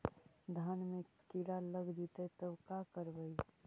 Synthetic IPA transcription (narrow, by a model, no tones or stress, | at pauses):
d̪ʱanmekiɽaləɡd̪it̪ət̪əbkakəɾbəi